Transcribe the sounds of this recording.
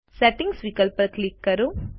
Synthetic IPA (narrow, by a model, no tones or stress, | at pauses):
seʈiŋɡsʋikɐlpɐlklikːɐɾu